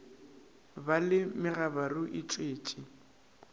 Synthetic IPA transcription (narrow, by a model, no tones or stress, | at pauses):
balɪmɪɣabarʊʔɪt͡ʃʼweːt͡ʃʼi